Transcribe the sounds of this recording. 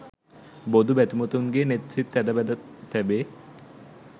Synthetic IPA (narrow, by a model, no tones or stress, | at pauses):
bod̪ʱubɛt̪imot̪onɡenet̪it̪ːɛdabɛd̪at̪ʰːɛbe